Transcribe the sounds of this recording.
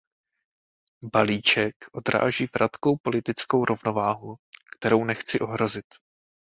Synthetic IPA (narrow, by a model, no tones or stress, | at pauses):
baliːt͡ʃɛkʔo̞d̪ɾa̰ːʒiːvɾat̪ko̞wpo̞lɪt̪ɪt͡sko̞wɾʔo̞vno̞vaːɦukt̪ɛɾo̞wnɛxt͡sɪʔo̞ɦɾo̞zɪt̪